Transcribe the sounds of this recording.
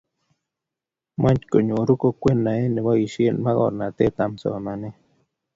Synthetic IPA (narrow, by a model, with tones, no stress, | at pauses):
ma˦nt͡ʃko˨ɲũ˨ɾu˦ko˧kʷe˦nːa˨e˦ne˨βa˦i˨ʃi˦e˧nma˦ɣo̰˨ɾna˨t̪e˦t̪a˨mso̰˨ma˨ne˦